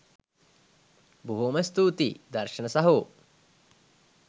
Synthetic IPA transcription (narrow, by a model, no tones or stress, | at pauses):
buɦumɐst̪uːt̪iːd̪ɐɾʂɐnɐsɐɦu